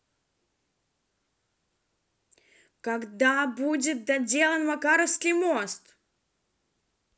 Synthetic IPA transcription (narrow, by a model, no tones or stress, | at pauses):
kɐɡd̪abudʲɪt̪̚d̪ɐdʲe̞lˠənvɐkaɾəslʲɪmost̪